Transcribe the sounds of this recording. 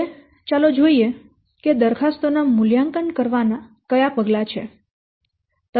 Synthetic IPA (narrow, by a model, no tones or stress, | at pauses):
t͡ʃalod͡ʒoie | ked̪əɾkʰast̪onamʊljaŋkənkəɾʋana | kəjapəɡlat͡ʃʰḛ | t̪ə